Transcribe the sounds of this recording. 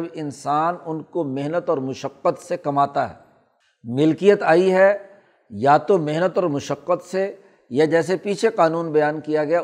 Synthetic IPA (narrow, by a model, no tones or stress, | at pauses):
bɪnsaːnʊnkomɪɦnət̪ɔːɾmʊʃəqːət̪sekɐmaːt̪aɦɛ̰ː | mɪlkijət̪aːiɦɛ | jat̪omɪɦnət̪ɔːɾmʊʃəqːət̪se | jad͡ʒɛːs̬epiːt͡ʃʰeqaːnuːnbɐjaːnkijaɡɐja